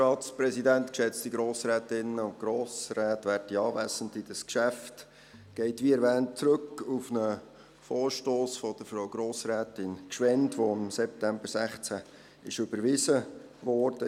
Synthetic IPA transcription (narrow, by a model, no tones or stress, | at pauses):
ɑːt̪spɾɛsidænt̪kʃɛt͡stiɡɾoːsɾæːtɪnːəʊntɡ̥ɾoːsræːtʋæːɾtiɑːvæsəntid̥ɑskʃæft | ɡ̥ɛɪtʋiɛɾʋæːnt̚t͡sɾɵkːufnə | foːɾʃtoːsfɔd̥̪əɾfɾoʊɡ̥ɾoːsɾæːtɪnkʃʋɛntʋoɪmsɛp̚tæmbəɾsæχt͡sæ | ɪʃʏb̥əɾʋɪsəʋɔːɾd̥ə